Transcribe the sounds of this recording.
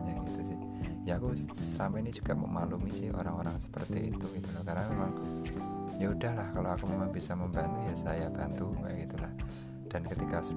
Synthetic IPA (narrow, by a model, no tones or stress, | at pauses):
ɲaɡit̪usɪh | jakusəɾampɛinid͡ʒuɡ̥aʔmə̰malumisɪhʔo̰ɾaŋoɾaŋsə̥pərt̪iḭt̪uɡit̪ulohkaɾnamemaŋ | jaɦudahlahkaloakumemaŋbisaməmbant̪ujasajabant̪uka̰ʔɡit̪ulah | d̥ankət̪ikasu